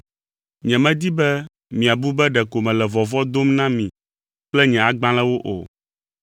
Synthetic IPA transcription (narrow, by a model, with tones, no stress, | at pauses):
ɲɛ̃˨mɛ̃˦d̪i˦bɛ˦ | mĩ˨a˨bu˦bɛ˦ɖɛ˨ko˨mɛ̃˨lɛ˨vɔ˨vɔ˦d̪o˦mnã˦mĩ˨ | k͡plɛ˦ɲɛ̃˨a˨ɡ͡bã˦lɛ̃˦wo˦ʔo̰˨